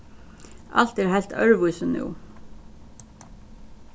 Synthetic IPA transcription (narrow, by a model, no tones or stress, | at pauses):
ʔɑ̰l̥t̪æːɾhælt̪ʰœ̰ɹʋuʏsənṵː